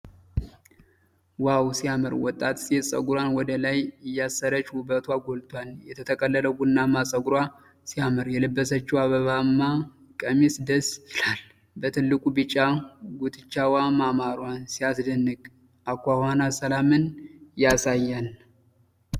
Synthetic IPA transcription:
wawsijamɨɾwɔt̪ʼːat̪sɛsʼə̰ɡɾanwɔd̪əlajɪjːasːəɾət͡ʃhubət̪ʰwaɡolt̪ʼwaljɛt̪ʰət̪ʰəkʼəlːələɡunːamːasʼəɡuɾwa | sijamɨɾjɛlɨbːəsət͡ʃːiwaβəβamːa | kʼəmisd̪əsɨlal | bət̪ʰɨlːɨkʼubɨt͡ʃʼːaɡut̪ʰɨt͡ʃːawamamaɾansijasd̪ənːɨkʼ | ʔakʷːahanasəlamɨnjasajːan

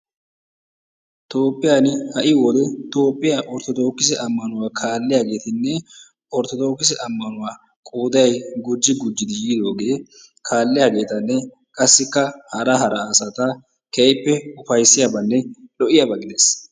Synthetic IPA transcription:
t̪o̞ːpʼːɪjaːnɪhɐʔɪwɔd̪ɛt̪o̞ːpʼːɪjaːʔɔɾt̪ɔt̪o̞ːkːɪs̬ɛʔɐmːɐnʊwaːkʰaːlːɪjaːɡe̞ːt̪ɪnːɛ | ɔɾt̪ɔt̪o̞ːkːɪs̬ɛʔɐmːɐnʊwaː | kʼoːd̪ɐjɡʊd͡ʒːɪɡʊd͡ʒːɪd̪ɪjːd̪o̞ːɡe̞ː | kʰaːlːɪjaɡe̞ːt̪ɐnːɛ | kʼɐsːɪkːɐhɐɾɐɦɐɾɐːsat̪ɐ | kejpːɛʊfɐjsːɪjabɐnːɛlɔʔɪjɐbɐɡɪd̪es

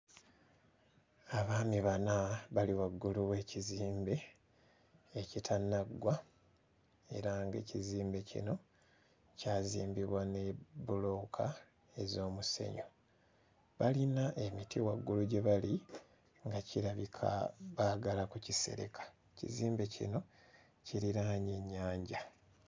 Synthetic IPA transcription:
aβaːmiβanaβaliwaɡːuluwe̞ːciziːmbe̞ | citʰanːaɡwa | e̞̰ɾaŋɡe̞̰ːciziːmbe̞cḭno̞ | caːziːmbiβwane̞bulo̞ːkʰa | ezo̞ːmuse̞̰ɲo | βalinaʔe̞mitiwaɡːuluɟe̞βali | ŋɡaciɾaβikʰa̰βaɡalakucise̞̰ɾḛkʰḁecḭziːmbe̞cḭno̞ | ciɾiɾaːɲe̞ɲːaːɲɟa

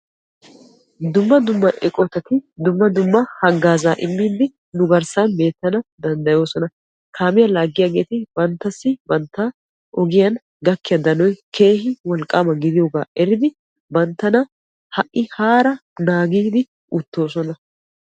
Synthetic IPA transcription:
d̪ʊmːɐd̪ʊmːɐʔɛkʼɔt̪ːɐt̪ɪd̪ʊmːɐd̪ʊmːɐhɐɡaːzaːʔɪmːiːd̪ɪ | nʊɡɐɾsanbe̞ːt̪ːɐnɐd̪ɐnd̪ɐjo̞ːsɔnɐ | kʰaːmɪjɐlaːɡːɪjaɡe̞ːt̪ɪbɐnt̪ːɐsːɪbɐnt̪ːa | ʔɔɡɪjɐn | ɡɐkːɪjɐd̪ɐnɔjkʰe̞ːhɪwɔlkʼːaːmɐɡɪd̪ɪjoːɡa̰ːʔɛɾɪd̪ɪ | bɐnt̪ːɐnɐ | hɐʔʔɪhaːɾɐnaːɡiːd̪ɪ | ʔʊt̪ːo̞ːsɔnɐ

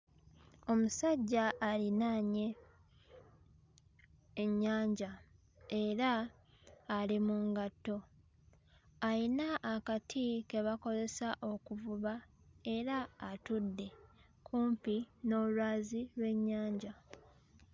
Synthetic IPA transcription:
o̞musaɟːaːlinaɲe̞ | ɲːaːɲɟa | e̞ɾaː | limuŋɡatːo̞ | ajinaʔːkatʰike̞βako̞ze̞saʔo̞kuvuβa | e̞ɾaːtudːe̞ | kʰuːmpino̞lwaːzilwe̞ɲːaːɲɟa

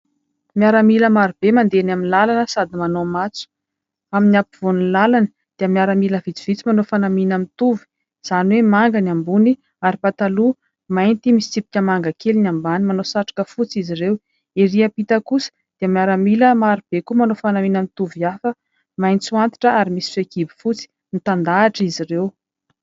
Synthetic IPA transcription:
miaɾəmiləmaɾub̥emand̪enaminlalanəsad̪imanomat͡su̥ | aminapiv̥oninlalanə | d̪̥iəmiaɾəmiləvit͡si̥v̥it͡simanofanaminamit̪uvi̥ | z̥anwemaŋɡanambuni | aɾipat̪alu | majnt̪imisi̥t͡sipi̥kʲəmaŋɡakelinambanimanosaʈ͡ʂḁkəfut͡sizirew | eɾiəpit̪əkusə̥ | d̪̥eamiaɾəmiləmaɾib̥ekumanofanaminamit̪uvjafə | majnt͡suant̪i̥ʈ͡ʂəaɾimisi̥sekibi̥fut͡si̥ | nit̪and̪aːʈ͡ʂizirew

